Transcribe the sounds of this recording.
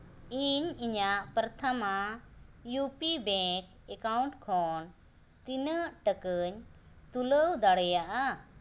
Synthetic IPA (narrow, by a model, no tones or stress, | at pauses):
iɲiɲaʔpəɾt̪ʰama | jupibɛ̃k | ekauɳʈkʰɔn | t̪inəʈəkəɲ | t̪uləwd̪aɽɛjaʔa